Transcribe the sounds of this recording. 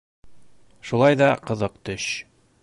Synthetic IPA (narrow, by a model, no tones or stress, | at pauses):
ʃulˠɑjðɑqɤ̆ðɤqt̪ɵɕ